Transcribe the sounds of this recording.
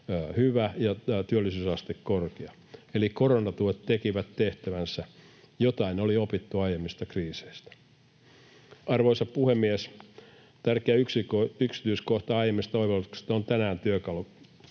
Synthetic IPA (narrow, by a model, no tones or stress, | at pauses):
hyʋæjɑt̪yølːˑisyːsɑst̪ekkorkeɑ | elikoronɑt̪uet̪t̪ekiʋæt̪teht̪æʋænsæ | jot̪ɑinoliopit̪ːuɑjemːist̪ɑkriːse̥ist̪æ̥ | ɑrʋoisɑppuhemːies | t̪ærkeæyksiyksi̥t̪yiskoht̪ɑɑijemːist̪ɑoiʋɑlt̪u̥kse̥t̪ont̪ænæːnt̪yøkɑlu